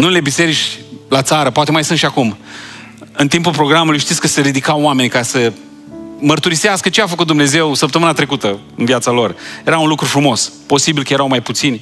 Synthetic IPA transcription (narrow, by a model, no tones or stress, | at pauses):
nule̞bise̞ɾit͡ʃʲlat̪saɾəpoat̪e̞majsɨnt̪ʃiakum | ɨnt̪impulpɾo̞ɡɾamulujʃt̪it̪sʲkəse̞ɾid̪ikawame̞nʲkasə | mərt̪uɾiseaskət͡ʃeafəkut̪d̪umne̞ze̞wsəpt̪əmɨnat̪ɾe̞kut̪ə | ɨnviat̪salo̞rje̞ɾaunlukɾufɾumo̞spo̞sibilkəje̞ɾawmajput̪sinʲ